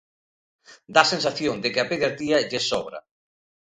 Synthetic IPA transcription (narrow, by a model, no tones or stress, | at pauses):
d̪asensaθjoŋd̪ɪkɪapeɣeɾt̪iɐʎesɔβɾɐ̰